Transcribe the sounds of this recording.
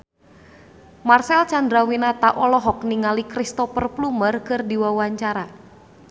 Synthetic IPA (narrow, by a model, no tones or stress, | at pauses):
marsɛlt͡ʃandɾawinat̪aʔɔlɔɦɔk̚niŋalikɾist̪ɔfərplumərkɨrdiwawaɲt͡ʃaɾa